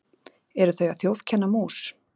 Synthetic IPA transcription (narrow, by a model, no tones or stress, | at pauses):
ɛɾʏθœɥjaθjowv̥cʰɛnːamuːs